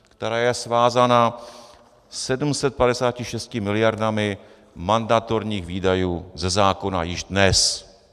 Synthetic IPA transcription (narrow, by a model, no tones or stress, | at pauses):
kt̪ɛɾaːjɛsvaːzana | sɛdumsɛt̪̚padɛsaːcɪʃɛst̪cɪmɪlɪjaɾdamɪ | mandat̪oɾɲiːxviːdajuːzɛzaːko̞na̰jɪʒdnɛs